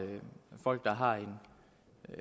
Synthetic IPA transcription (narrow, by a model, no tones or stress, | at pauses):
fɒ̽l̰ɡ̥̚d̥ɑ̈ɦɑ̈e̝n